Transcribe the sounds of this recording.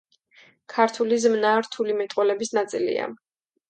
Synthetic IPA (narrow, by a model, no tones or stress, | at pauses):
kʰaɾt̪ʰulizmnaːɾt̪ʰulimɛt̪ʼwɛlɛbisnat̪sʼilḭa̰